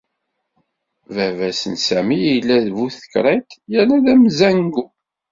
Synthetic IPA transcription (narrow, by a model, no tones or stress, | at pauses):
vævæsənsæmiilːæðvuθə̥kɾˤæjt̪jænæðæmzæŋɡu